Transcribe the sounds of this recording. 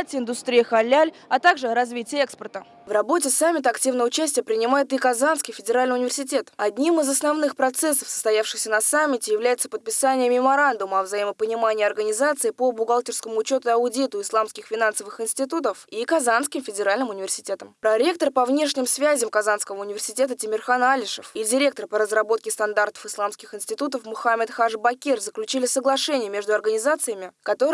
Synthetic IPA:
t̪ʲɪnd̪ʊst̪ɾʲijəxɐlʲːalʲ | ɐt̪aɡʐɨɾɐzvʲitʲɪjəɛkspərt̪ə | vrɐbo̞tʲɪsamʲːɪt̪əɐktʲivnəvəʊt͡ɕæsʲtʲɪjəpɾʲɪnʲɪmajɪt̪ɨkɐzanskʲijfʲɪdʲɪɾalʲnjʊnʲɪvʲɪrsʲɪtʲe̞t̪ɐdʲnʲimɨzɐsnɐvnɨxpɾɐt̪sɛsːə̥fsə̥st̪ɐjafʂɨxsʲənɐsamʲːɪtʲɪjɪvlʲæjɪt̪səpət̪̚pʲɪsanʲɪjəmʲɪmɐɾand̪ʊməɐvzɐiməpənʲɪmanʲɪjɐrɡənʲɪzat̪sɨɪpəbʊɡalˠtʲɪrskəmʊʊt͡ɕo̞t̪ʊɐʊdʲit̪ʊɪslˠamskʲɪxfʲɪnansəvɨxɪnsʲtʲɪt̪ut̪əfikɐzanskʲɪmfʲɪdʲɪɾalʲnɨmʊnʲɪvʲɪrsʲɪ̥tʲe̞t̪əmpɾɐɾʲe̞kt̪ərpɐvnʲe̞ʂnʲɪmsvʲæzʲɪmkɐzanskəvəʊnʲɪvʲɪrsʲɪtʲe̞t̪ətʲɪmʲɪrxanalʲɪʂə̰fidʲɪɾʲe̞k̚t̪ərpəɾəzrɐbo̞t̪̚kʲɪst̪ɐnd̪art̪ə̥fɨslˠamskʲɪxɨɪnsʲtʲɪt̪ut̪əfmʊxamʲɪt̪xaʐbɐkʲerzəklʲʉt͡ɕilʲɪsəɡlˠɐʂɛnʲɪjəmʲe̞ʐd̪ʊɐrɡənʲɪzat̪sɨjəmʲɪkɐt̪o̞

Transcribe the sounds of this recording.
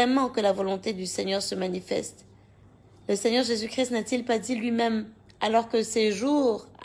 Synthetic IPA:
ɛmɑ̃kəlavɔlɔ̃t̪ed̪ysɛɲœʁsəmanifɛ̰st̪ | ləsɛɲœʁʒezykχist̪nat̪ilpad̪ilɥimɛm | alɔʁkəseʒuʁ

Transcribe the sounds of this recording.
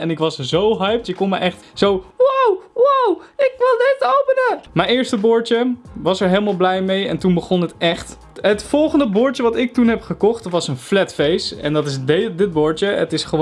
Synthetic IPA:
ɛnɪkʋɑszowɦœjp̚əkːɔnməɹʔɛχtsowwwwawɪkʋɪlˠdɪtowpənəmɛjnɪːɹstəbʊːɹəʋɑsɛɹɦejləmaːlˠblɛjmejɛ̰ntunbəχɔnətɛχt | ɦətfɔlˠχəndəbʊːɹtəʋɑtɪk̚tunɦɛpχəkɔχtʋɑsənflɛtfejstɛ̰ndɑtɪsdɪt̚boʊːɹəətɪsχəʋ

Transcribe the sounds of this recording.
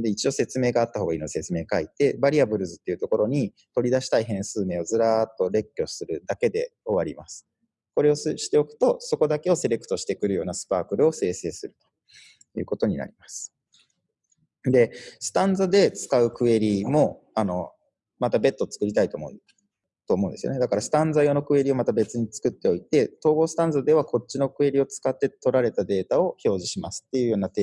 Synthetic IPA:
d̪e̞it͡ɕio̞se̞t͡sɨme̞ːɡaːt̪ːahoɡainoise̞t͡sɨme̞ːkait̪e̞baɾʲiabɯ̟ɾɯ̟zɨt̪ːe̞iɯ̟t̪o̞ko̞ɾo̞ɲ̟i | t̪o̞ɾʲid̪aɕi̥t̪aiɦẽ̞ɰ̃sɨːme̞ːo̞zɨɾat̪ːo̞ɾe̞kʲːo̞sɨɾɯ̟d̪ake̞d̪e̞̰o̞βaɾʲimasɨ̥ | so̞ɾe̞o̞ɕi̥t̪e̞o̞kɯ̟̥t̪o̞so̞ko̞d̪ake̞o̞se̞ɾe̞kɯ̟t̪o̞ɕi̥t̪e̞kɯ̟ɾɯ̟jo̞ːnasɨ̥paːkɯ̟ɾɯ̟o̞se̞ːse̞ːsɨɾɯ̟t̪o̥ | jɯ̟̰ːko̞t̪o̞ɲ̟ina̰ɾʲimasɨ̥ | d̪e̞sɨ̥t̪ãnd͡zad̪e̞t͡sɨ̥kaɯ̟kɯ̟e̞ɾʲimo̞ | ano̞̰ | mat̪abe̞t̪ːot͡sɨ̥kɯ̟ɾʲit̪ait̪o̞ːmo | t̪o̞ːmo̞ɯ̟̃d̪e̞sɨjo̰ne̞d̪akaɾasɨ̥t̪ãnd͡zajo̞no̞kɯ̟e̞ɾʲio̞mat̪abe̞t͡sɨɲ̟it͡sɨ̥kɯ̟t̪ːe̞o̞it̪e̞t̪o̞ːɡo̞ːsɨ̥t̪ãnd͡zɨd̪e̞βako̞t͡ɕːino̞kɯ̟e̞ɾʲio̞t͡sɨ̥kat̪ːe̞t̪o̞ɾaɾe̞t̪ad̪e̞ːt̪ao̞ço̞ːʑiɕimasɨ̥t̪ːe̞jɯ̟ːjo̞ːnat̪eː

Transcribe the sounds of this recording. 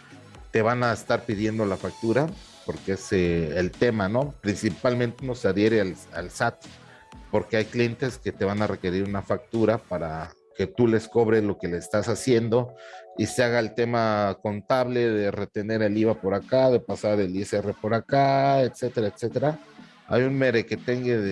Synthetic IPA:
t̪e̞βanaest̪aɾpið̞je̞nd̪o̞lafak̚t̪uɾa | po̞ɾkeeseːlt̪e̞mano̞pɾinsipalmẽnt̪enoseaðje̞ɾeala̰lsat̪ | po̞ɾkeajklije̞nt̪e̞ske̞t̪e̞β̞anare̞ke̞ɾiɾunafak̚t̪uɾapaɾa | ke̞t̪ule̞sko̞β̞ɾe̞zlo̞ke̞lesst̪asasje̞nd̪o̞iseaɣaelt̪e̞mako̞nt̪aβle̞ðe̞re̞t̪e̞ne̞ɾe̞liβapo̞ɾakaðe̞pasaɾe̞liesere̞po̞ɾakaet̪se̞t̪e̞ɾaet̪se̞t̪e̞ɾa | a̰junme̞ɾeke̞t̪e̞ŋɡeðe

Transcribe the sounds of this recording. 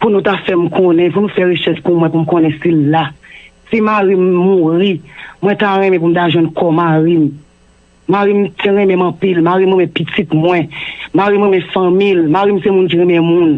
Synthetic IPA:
punũt̪afɛmkʰõnɛ̃punũfɛɣeʃɛʃpumwɛ̃pum̩kõnɛ̃silːasimaɣimːuɣimw̃ɛ̃taɣɛ̃mɛ̃p̬um̩t̪aʒwɛ̃nkʰɔmaɣimː | aɣimtʰeɣɛ̃mɛ̃mʌ̃pilmaɣimwemɛ̃pit͡sit̪mwɛ̃maɣimɣɛ̃mɛ̃fɐ̃milmaɣimsemũnk̬iɣɛ̃mɛmũn

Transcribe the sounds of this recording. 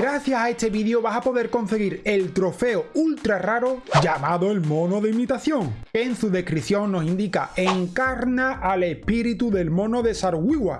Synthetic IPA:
ɡɾaθjasae̞st̪e̞βiðjo̞βasapo̞ðe̞ɾko̞nθe̞ɣiɾe̞lt̪ɾo̞fe̞oult̪ɾaraɾo̞ʝamaðo̞elmõ̞no̞ðeimit̪aθjo̞ŋke̞ːnsuðe̞hkɾiθjo̞ŋno̞sind̪ikae̞ŋkaɾnaʔale̞hpiɾit̪uðe̞lmõ̞no̞ðe̞saɾɣwiɣwa

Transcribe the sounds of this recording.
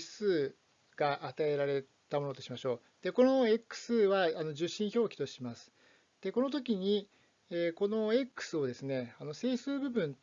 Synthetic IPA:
sɨː | ɡ̥aʔat̪ae̞ɾaɾe̞ | t̪amo̞no̞t̪oɕimaɕo̞ː | d̪̥e̞ko̞noekːɯ̥sɨβaːno̞ʑɨɕːĩɰ̃ço̞ːkʲi̥t̪o̞ɕimasɨ̥ | d̪̥e̞ko̞no̞t̪̬o̞k̬ʲiɲ̟i | eːko̞no̞ekːɯ̥sɨo̞d̪e̞sɨne̞ano̞se̞ːsɨːbɯ̟bɯ̟̃n

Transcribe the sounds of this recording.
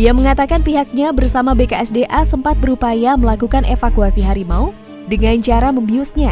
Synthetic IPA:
ijaməŋat̪akanpiɦak̚ɲabərsamabekaɛsdeʔasəmpat̪̚bəɾupajaməlakukanʔefakuasiɦaɾimau | dəŋaɲt͡ʃaɾaməmbiʊsɲa

